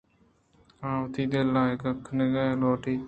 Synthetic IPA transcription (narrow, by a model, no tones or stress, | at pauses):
aːwt̪ʰiːd̪elːaːkɐkʰːneɡaːloːʈiː